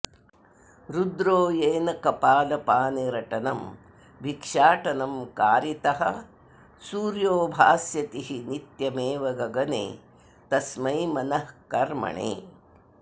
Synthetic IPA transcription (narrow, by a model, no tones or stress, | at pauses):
ɾud̪ɾoːjeːnɐkɐpaːlɐpaːneɾɐʈɐnɐm | bʱikʂaːʈɐnɐmkaːɾit̪ɐɦɐ̰ | suːɾjoːbʱaːsjɐt̪iɦinit̪jɐmeːʋɐɡɐɡɐnḛː | t̪ɐsmɐjmɐnɐhkɐɾmɐ̰ɳḛː